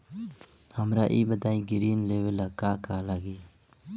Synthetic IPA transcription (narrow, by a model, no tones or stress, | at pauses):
həmɾaːʔiːbəd̪aːiɡɪɾiːnlewelakaːkaːlaɡeː